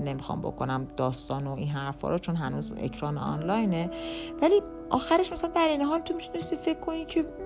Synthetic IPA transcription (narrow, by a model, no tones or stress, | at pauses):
ne̞mixɒ̰mbo̞̰ko̰næmd̪̥ɒːst̪ɒːnoiːnɦæɾfhɒ̰ːɾʔot͡ʃʰo̞nɦænuːzḛcʰɾɒːnḛɒ̰nlɒːjnevæliː | ʔɒːxæɾeʃmæsælænd̪æɾiːneɦɒːlt̪ʰomit̪ʰune̞st̪iːfecʰːo̞niːcʰe̞